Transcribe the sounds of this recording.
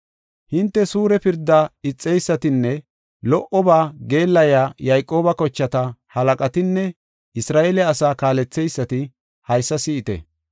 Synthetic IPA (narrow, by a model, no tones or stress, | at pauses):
hɪnt̪ːɛsuːɾɛpɪɾd̪ːaɪt͡sʼːɛjsːɐt̪ɪnːɛ | lɔʔɔbaːɡe̞ːlːɐjaːjɐjkʼːo̞ːbɐkɔt͡ʃːɐt̪ɐhɐlɐkʼɐt̪ɪnːɛ | ʔɪsɾaːʔeːlɛɐsaːkaːlɛt͡sːɛjsːɐt̪ɪ | hɐjsːɐsɪʔɪt̪ɛ̰